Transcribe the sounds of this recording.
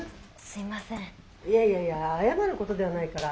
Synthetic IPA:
sɨimasẽ | ijaijaijaːjamaɾɯ̟ko̞t̪o̞d̪e̞β̞anaikaɾa

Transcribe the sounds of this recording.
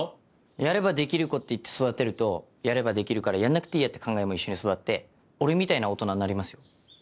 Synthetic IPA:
o | jaɾe̞bad̪e̞kʲiɾɯ̟ko̞t̪ːe̞it̪ːe̞̥so̞d̪at̪e̞ɾɯ̟t̪o̞ | jaɾe̞bad̪e̞kʲiɾɯ̟kaɾajanːakɯ̟t̪eiːjat̪ːekʰãŋɡaemo̞iɕːo̞ɲ̟iso̞d̪at̪ːe̞ | o̞ɾe̞mʲit̪ainao̞t̪o̞nannaɾʲimasɨjo̞

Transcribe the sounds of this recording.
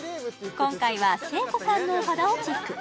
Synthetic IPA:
kõ̞ŋkaiβase̞ːko̞sãnːo̞had̪aot͡ɕi

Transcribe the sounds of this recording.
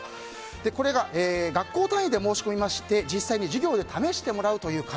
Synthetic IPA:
d̪̥e̞ko̞ɾe̞ɡaʔeːɡakːo̞ːt̪ãɰ̃id̪e̞mo̞ːɕi̥ko̞mʲimaɕi̥t̪e̞d͡ʑisːaiɲ̟iʑiɡʲo̞ːd̪e̞t̪ʰame̞ɕi̥t̪e̞mo̞ɾaɯ̟t̪o̞jɯ̟ːka

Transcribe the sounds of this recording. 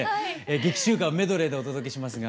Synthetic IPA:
eeːɡe̞kʲi̥ɕɨːkame̞d̪o̞ɾe̞d̪e̞o̞t̪o̞d̪o̞k̬ʲe̞ɕimasɨɡa

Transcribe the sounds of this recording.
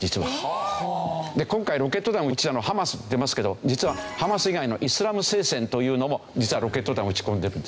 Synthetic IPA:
d͡ʑit͡sɨβa | d̪e̞kõ̞ŋkaiɾo̞ke̞t̪ːo̞d̪ãɰ̃ɯ̟t͡ɕid̪anohamasɨd̪e̞masɨ̥ke̞d̪o̞d͡ʑit͡sɨβahamasɨiɡaino̞̰ʔisɨɾamɯ̟se̞ːsẽ̞nt̪o̞jɯ̟ːno̞mo̞d͡ʑit͡sɨβaɾo̞ke̞t̪ːod̪ãɯ̟t͡ɕi̥kõ̞nd̪e̞ɾɯ̟nd̪

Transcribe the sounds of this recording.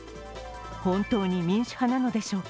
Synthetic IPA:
hõ̞nt̪o̞ːɲ̟imʲĩɰ̃ɕi̥hanano̞d̪e̞ɕo̞ːk

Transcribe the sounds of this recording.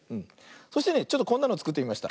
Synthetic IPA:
ɯ̟̃ɴ | so̞ɕi̥t̪e̞ne̞t͡ɕo̞t̪ːokonːanoːt͡sɨ̥kɯ̟t̪ːeimaɕi̥a̰

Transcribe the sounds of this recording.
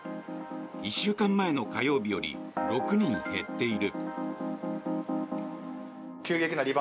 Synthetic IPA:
iɕːɨːkãmːae̞no̞kajo̞ːbʲijo̞ɾʲḭɾo̞kɯ̟ɲ̟ĩɰ̃he̞t̪ːe̞iɾɯ̟ | kʲɨːɡe̞kʲinaɾʲiba

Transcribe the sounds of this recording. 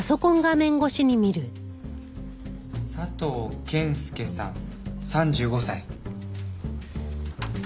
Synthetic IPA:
aso̞kõ̞ŋɡamẽ̞ŋɡo̞ɕiɲ̟imʲiɾɯ̟ | sat̪oːkʰẽ̞ɰ̃sɨ̥ke̞sã̰sãɲ̟d͡ʑɨːɡo̞sai

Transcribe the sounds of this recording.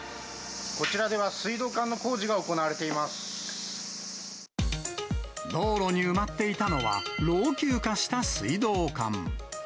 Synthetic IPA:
ko̞t͡ɕiɾad̪e̞βasɨid̪o̞ːkãnːo̞ko̞ːʑiɡao̞konaβaɾe̞t̪e̞imasɨ̥ | d̪o̞ːɾo̞ɲ̟iɯ̟mat̪ːe̞it̪ano̞βa̰ɾo̞ːkʲɨːkaɕi̥t̪asɨid̪o̞ːkã̰ŋ

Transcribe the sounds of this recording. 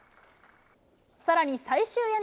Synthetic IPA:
saɾaɲ̟isaiɕɨːen

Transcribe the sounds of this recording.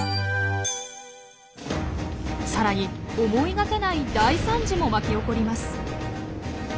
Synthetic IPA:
saɾaɲ̟iomo̞iɡake̞naid̪aisãɲ̟d͡ʑimo̞makʲio̞ko̞ɾʲimasɨ̥

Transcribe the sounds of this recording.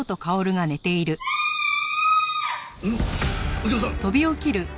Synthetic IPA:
ot̪o̞kao̞ɾɯ̟ɡane̞t̪e̞iɾɯ̟ | t̪o̞bʲio̞kʲiɾɯ̟

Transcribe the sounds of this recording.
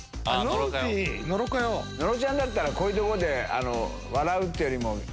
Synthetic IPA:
anoinoɾokajono̞ɾot͡ɕãnd̪at̪̬ːaɾakoːiːt̪o̞koɾod̪e̞a̰no̰ | βaɾaɯ̟t̪ːejoɾʲimo

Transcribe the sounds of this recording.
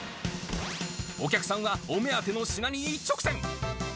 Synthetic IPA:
o̞kʲakɯ̟̥sãɰ̃βaome̞at̪e̞no̞ɕinaɲ̟ʲiːt͡ɕːokɯ̟̥sẽ̞ŋ

